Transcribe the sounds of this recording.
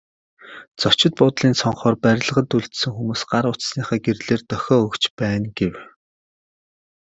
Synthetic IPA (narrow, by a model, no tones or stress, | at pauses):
t͡sɔw̥t͡ɕɪ̆t̪̚pʊːt̪ɮiːnsɔɴχɔːrpæɾʲɪ̆ɮə̆ʁə̆t̪uɮt̪sɵ̆ŋxumuːsɢaɾʊt͡ssniːχæːɡerɮeːrt̪œxʲɔːɵkt͡ɕpæːnɡew